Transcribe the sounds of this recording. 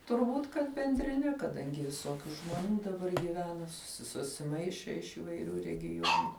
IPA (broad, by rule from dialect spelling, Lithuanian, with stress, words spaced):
tʊrˈbuːt kɐt bʲɛnʲdʲrʲɪˈnʲɛ kɐˈdɐŋʲɡʲɪ ʋʲɪˈsoːkʲʊ ʒmoːˈnʲuː dɐˈbɐr ɡʲiːˈʋʲæːnɐ sʊsʲɪ sʊsʲɪˈmɐɪʃʲeː ɪʃ iːʋɐɪˈrʲuː rʲɛɡʲɪˈjuɔnʊ